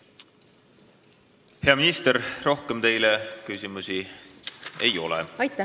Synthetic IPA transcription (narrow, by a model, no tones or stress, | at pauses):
he̞ɑminist̪eɾro̞hkemt̪e̞jlekysʲimusi | e̞jo̞̰lɛ̰ɑjt̪ː